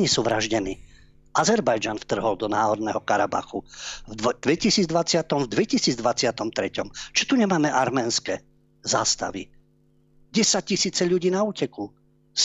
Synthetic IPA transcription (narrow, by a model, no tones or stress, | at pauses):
ɲisuːʋɾaʒɟɛniː | ʔazɛɾbajd͡ʒanft̪r̩ɦɔld̪ɔnaːɦɔɾnɛɦɔkaɾaba̰xuvd̪ʋɛcisiːd͡zd̪ʋat͡sɪat̪ɔmvd̪ʋɛcisiːd͡zd̪ʋat͡sɪat̪ɔmt̪ɾɛcɔmt͡ʃɔ̥t̪uɲɛmaːmɛʔaɾmɛːnskɛ | zaːst̪aʋḭ | ɟɛsac̚cisiːt͡sɛʎuɟiːnauːcɛku | s